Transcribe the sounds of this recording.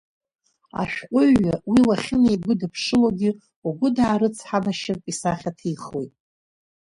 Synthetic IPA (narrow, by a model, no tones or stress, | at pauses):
a̰ʃᶣqʷʼʊɥawilaχʲɪnajɡʷʊdɨpʰʂɨloɡʲɪ | uɡʷʊdaːɾɨt͡sʰħamaʃɪrpʼisaχʲatʰiχojtʼ